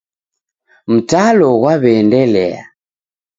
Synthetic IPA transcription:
m̩talɔɣwaβɛːndɛlɛ̰a̰

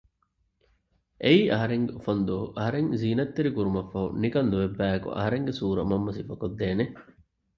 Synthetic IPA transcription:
ʔeiːʔɐɦɐɾeŋɡeufɐnd̪uɐɦuʔɐɦɐɾeŋziːnɐt̪ːeɾikuɾumɐfːɐṵnikɐnd̪uʋebːæːekṵʔɐ̰ɦɐɾeŋɡesuːɾɐmɐmːɐsifɐkod̪ːeːne

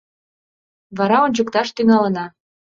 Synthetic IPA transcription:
βɑɾɑonʲt͡ɕəkt̪ɑʃt̪yŋɑlə̆nɑ

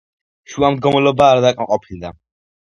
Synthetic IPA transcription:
ʃuamd̪ɡɔmɛlɔbaːɾd̪akʼmaqʼɔpʰild̪a

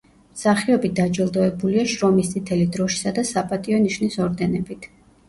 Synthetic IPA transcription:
msaχiɔbit̚d̪ad͡ʒɛlˠd̪ɔɛbuliaʃɾɔmist̪sʼit̪ʰɛlid̪ɾɔʃi̥sad̪asapʼat̪ʼiɔniʃnisɔɾd̪ɛnɛbit̪ʰ

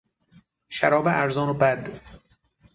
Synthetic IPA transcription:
ʃæɾɒːbeʔæɾzɒːnobæd̪

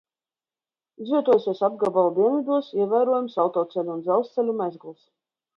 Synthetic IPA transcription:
izvʲiɛt̪uɔjsʲiɔsab̚ɡabalˠd̪iɛnvʲid̪uɔsiɛvʲæjɾuɔjɛmsalˠt̪ɔːt̪sɛlʲuːnd̪zɛlˠst̪sɛlʲumʲæzɡlˠs

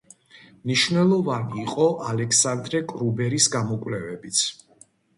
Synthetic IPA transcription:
mniʃvnɛlˠɔvaniːqʼɔʔalɛksand̪ɾɛkʼɾubɛɾisɡamɔkʼwlɛvɛbit̪sʰ

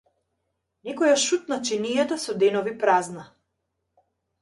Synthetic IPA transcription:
nɛkɔjaʃut̪̚nat͡ʃɛnijat̪asɔd̪ɛnɔvipɾazna

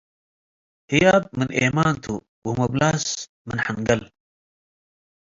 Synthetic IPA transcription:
hijaːb̚mɨnʔemaːnt̪ʰu | wumɐblaːs | mɨnħaŋɡɐl

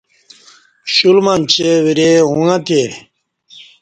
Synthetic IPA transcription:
ɕulmamt͡ɕewiɾeɦũŋãt̪ʰe

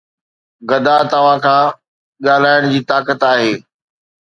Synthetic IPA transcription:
ɡɐd̪at̪ɐʋ̤ãkʰãː | ɠaːl̤aːɪɽ̃d͡ʑiːt̪aːkət̪aːɦeː

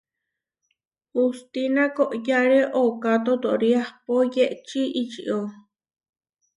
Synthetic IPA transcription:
ust̪inakoʔjaɾeʔokat̪̬ot̪oʔɾiahpojeʔt͡ʃiʔit͡ʃḭʔo

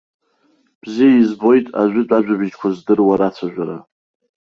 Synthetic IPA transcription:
b̥zijaizbo̞jtʼa̰ʒʷᶣʏt͡pʷʼaʒʷᶣabɪd͡ʒkʷʰazdɨrwaɾat͡sʷʰaʒᶣʷaɾa̰

